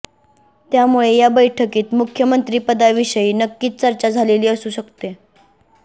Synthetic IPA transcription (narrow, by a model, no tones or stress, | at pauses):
t̪jamuɭejabəjʈʰəkiːt̪mukʰjəmənt̪ɾiːpəd̪aʋiɕəiːnəkːiːt̪̚t͡səɾt͡ɕad͡zʱaleliːəsuːɕəkt̪e